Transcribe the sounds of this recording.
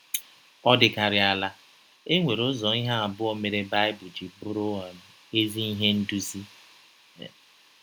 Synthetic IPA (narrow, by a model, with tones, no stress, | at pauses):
ɔ˦dɪ˦ka˨ɾɪ˨a˨la˦ | e˦ŋʷe˨ɾʊ˦zɔ˨˦i˦ɦa˦a˨bʊ˦o˦me˨ɾe˦ba˦ɪ˦bʊ˨d͡ʒi˨bʊ˦ɾʊ˦wa˨ | e˦zi˦i˦ɦe˦n̩˦du˦zi˦˨